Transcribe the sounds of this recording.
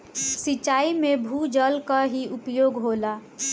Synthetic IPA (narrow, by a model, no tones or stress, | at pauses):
sit͡ʃaːimebʱud͡ʒəlkaɦiʔʊpjoːɡɦoːla